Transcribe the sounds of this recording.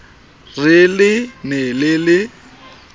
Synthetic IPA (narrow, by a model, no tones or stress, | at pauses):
rɪlɪnɛlɪlɪ